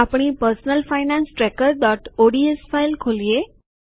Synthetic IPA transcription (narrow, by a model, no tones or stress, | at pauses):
apɽ̃iːpəɾsnəlfajnãnsʈɾɛkəɾd̪ɔʈoɽiesfajlkʰolije